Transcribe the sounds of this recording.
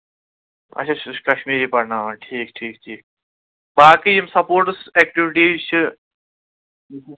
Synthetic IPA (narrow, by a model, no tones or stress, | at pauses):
ɐ̰t͡ʃʰat͡ʃkɐʃmiːɾiːpɐɾnaːʋaːnʈʰiːk̚ʈʰiːk̚ʈʰiːk̚ | baːkijimsɐpoːɾʈseːkʈiʋiʈiːt͡ʃʰɨ